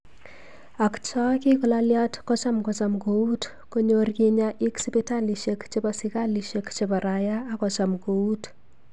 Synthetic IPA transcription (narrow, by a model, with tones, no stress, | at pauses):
a˨kt͡ʃɔ˦ki˦kɔ˨lalja˦tkɔ˦t͡ʃa˦mkɔt͡ʃa˨mkou˦t | ko˦ɲorki˦ɲaʔi˦ksipe˦ta˦li˨ʃekt͡ʃepasi˦ka˦liʃekt͡ʃepa˨ɾajaː˦kɔt͡ʃamko˨u˦t